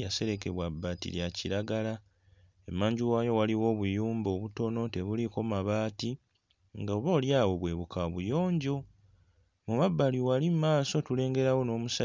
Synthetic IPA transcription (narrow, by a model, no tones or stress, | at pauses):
jase̞ɾe̞ke̞βwabːaːtḭljaciɾaɡala | emːaːɲɟuwaːjo̞waliwo̞ːβujuːmbo̞ːβuto̞no̞te̞βuliko̞maβaːti | ŋɡaoβoːljaːwo̞βwe̞ːβukaoβujo̞ːɲɟo̞ | mumabːaliwalimmːaːso̞tule̞ːŋɡe̞ɾawo̞no̞ːmusa